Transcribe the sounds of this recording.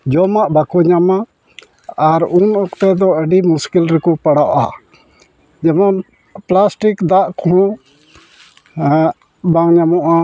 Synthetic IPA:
d͡ʒɔmaʔbakɔɲama | aɾunɔkt̪ɛd̪ɔəɖimuskilɾɛkɔpaɽaʔa̰ | d͡ʒɛmɔn | plasʈikd̪aʔkɔɦɔ̃ | baŋɲamɔʔa

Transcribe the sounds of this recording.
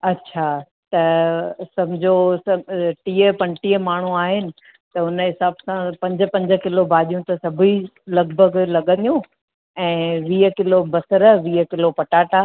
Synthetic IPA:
ɐtːɕʰaː | t̪ɐsɐmd͡ʑʱosɐʈiːəpɐ̃nʈiːəmaːɳ̤uaːɦɪnɪ̆ | t̪ɐʊnɦɪsaːbsãpɐ̃ɲd͡ʑəpɐ̃ɲd͡ʑəkɪlobʱaːʄijũt̪ɐsɐbʱilɐɡbʱəɡlɐɠə̃nd̪ijũ | ɛ̃ːʋiːəkɪlobɐsəɾəʋiːɦəkɪlopɐʈaːʈaː

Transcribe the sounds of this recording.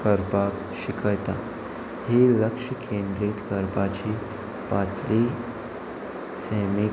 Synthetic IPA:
kəɾpak | ɕikʰəjt̪a | hiləkʂəkʰend̪ɾit̪kəɾpat͡ɕi | pat̪li | semi

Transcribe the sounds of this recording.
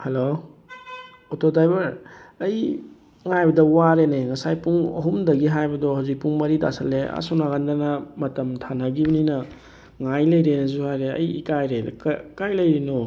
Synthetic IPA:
helo | otodajbɐɾɐj | ŋajbɐdɐwaɾeneŋɐsajpuŋɐ̰ɦumdɐɡiɦajbɐdɔɦawzik̚puŋmɐɾida̰sɐlːea̰sonaɡandanɐmɐtɐmtʰanɐɡibɐninɐ | ŋajlɐjɾenɐzuhajɾeɐ̰jḭkajɾḛkkajlɐjɾinɔ

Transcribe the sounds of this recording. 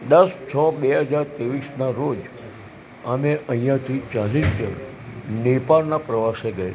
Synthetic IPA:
d̪əst͡ʃʰɔbeɦəd͡ʒaɾt̪eʋisnaɾod͡ʒ | ameʔə̃ɦĩjãt̪ʰit͡ʃalist̪ə̰l | nepaɾnapɾəʋaseɡəjḛ

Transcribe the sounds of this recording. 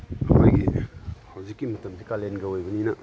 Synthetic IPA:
ɐ̰ma̰jɡihɐwzikːimɐtɐmdikalenɡɐojbɐninɐ

